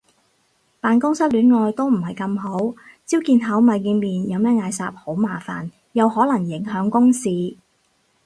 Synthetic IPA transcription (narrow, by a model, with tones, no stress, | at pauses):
paː˨nkʊ˥ŋsɐ˥t̚lyː˨˥nŋɔː˨jt̪o˥wm̩˨˩hɐ˨jkɐ˧mɦo˨˥wt͡si˥wkiː˧nɦɐ˨˥wmɐ˨˧jːiː˧nmiː˨njɐ˨˧wmɛː˥ŋaː˧jsaː˧p̚ho˨˥wmaː˨˩fa̰ː˨˩n | jɐ˨˧whɔː˨˥lɐ˨˩ŋjɪ˨˥ŋɦœː˨˥ŋkʊ˥ŋsiː˨˧